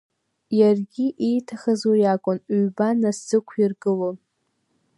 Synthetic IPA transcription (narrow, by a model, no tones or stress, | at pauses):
jarɡʲiʔejtʰaχazojakʷʼʊnɥbanasɨkʷʰirɡɨlon